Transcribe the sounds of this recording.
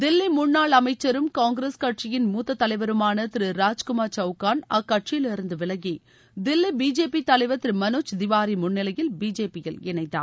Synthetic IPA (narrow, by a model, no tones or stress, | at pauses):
d̪ɪlːimʊɳːaːɭɐmɐɪt͡ʃːɐɾɯmkaːŋɡɾeːskɐʈt͡ʃɪjɪnmuːt̪ːɐt̪ːɐlɐɪʋɐɾɯmaːnɐt̪ɪɾɯɾaːd͡ʒkʊmaːɾt͡ʃɐʊkaːnɐkːɐʈt͡ʃɪjɪlɪɾɯnd̪ɯʋɪlɐŋɡi | d̪ɪlːibiːd͡ʒeːpit̪ɐlɐɪʋɐt̪ːɪɾɯmɐnuːt͡ʃd̪ɪʋaːɾimʊɳːɪlɐjɪlbiːd͡ʒeːpɪjɐlɪɳɐɪt̪ːa̰ː